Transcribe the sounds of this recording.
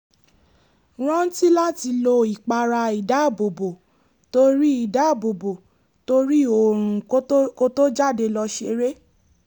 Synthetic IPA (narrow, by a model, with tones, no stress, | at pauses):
ɾ̃ɔ̃˦ti˦la˦ti˧lo˧i˨k͡pa˧ɾa˧i˨da˨˦˨bo˨bo˨ | to˧ɾi˦i˨da˨˦˨bo˨bo˨ | to˧ɾi˦o˨ɾ̃ũ˨˦ko˦to˦d͡ʒa˦˨de˧lɔ˧ʃe˧ɾe˦